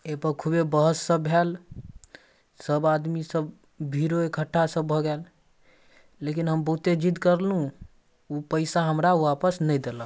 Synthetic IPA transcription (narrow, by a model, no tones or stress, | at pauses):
epəɾkʰubebəɦəsːəbɦel | səbad̪misəb | bʱiɾoekʰəʈʰːasəbʱːɔɡɛl | ekinɦəmbəɦut̪ed͡ʒid̪kəɾlũ | upəɪsaɦəmɾaʋapəsnəjd̪elə̃